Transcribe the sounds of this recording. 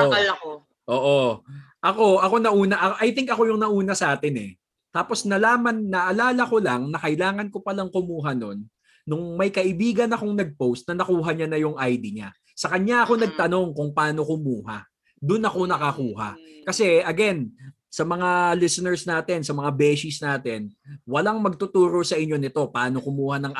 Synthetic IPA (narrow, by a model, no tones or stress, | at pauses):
oalɐko | ʔoːʔo | ʔɐko̞ʔɐko̞nɐʔuːnɐʔɐʔɐjt̪ɪŋkɐko̞jʊŋnɐʔuːnɐsɐʔaːt̪ɪnɛ̰ | t̪aːpo̞snɐlaːmɐnːɐʔɐlaːlɐko̞lɐŋnɐkɐɪlaːŋɐnko̞pɐlaŋkʊmuːɦɐno̞nː | ʊŋmɐjkɐʔɪbiːɡɐnɐko̞ŋnɐɡ̚powst̪̚nɐnɐkuːɦɐɲanɐjʊŋʔajd̪iɲa | sɐkɐɲaʔɐko̞nɐɡ̚t̪ɐno̞ŋkʊŋpaːno̞kʊmuːha̰ | d̪ʊnɐko̞nɐkɐkuːɦɐ̰kɐsɛɐɡɛn | sɐmɐŋalɪsɛnɛɹsnaːt̪ɛnsɐmɐŋabɛʃisnaːt̪ɛnwɐlaŋmɐɡ̚t̪ʊt̪uːɾo̞sɐʔɪɲːo̞nɪt̪o̞pɐaːno̞kʊmuːhɐnɐŋʔ